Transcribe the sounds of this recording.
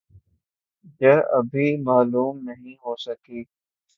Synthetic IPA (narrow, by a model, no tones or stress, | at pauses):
jəɐ̰bʱimaːluːmnɐɦĩɦoːsɐkiː